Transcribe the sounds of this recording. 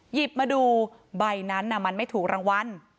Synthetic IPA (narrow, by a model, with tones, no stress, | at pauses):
ji˨˩p̚maː˧duː˧ | ba˧jna˦˥nʔa˧˩ma˧nma˥˩jt̪ʰuː˨˩k̚ɾʔaː˧ŋwa˧n